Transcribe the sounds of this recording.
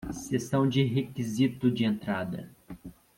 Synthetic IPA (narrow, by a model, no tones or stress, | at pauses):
sesɐ̃w̃d͡ʒɪɦekizit̪ʊd͡ʒɪẽnt̪ɾad̪ɐ̰